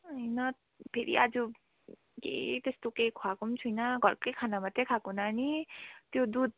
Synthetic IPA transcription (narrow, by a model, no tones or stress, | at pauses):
ʌjnʌ | pʰeɾḭʔad͡zu | kḛjt̪est̪okejkʰwakont͡sʰujnʌɡʱʌrkejkʰanamat̪ekʰakonanit̪jod̪ud̪̚